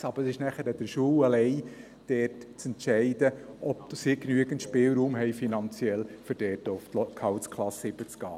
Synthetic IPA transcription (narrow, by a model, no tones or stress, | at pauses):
ɑb̥əɾəsɪʃnæχəɾəd̥̪əɾʃuːwəlɛɪ | d̥ɛːtt͡sɛntʃɛɪd̥əʔɔbsiknyəɡ̥əntʃpɪːlɾuːmɦɛɪfinɑnt͡sjɛlfʏɾd̥ɛːtoʊftkʰɑwt͡skʰlɑsɪbət͡sɡ̥ɑ̰ː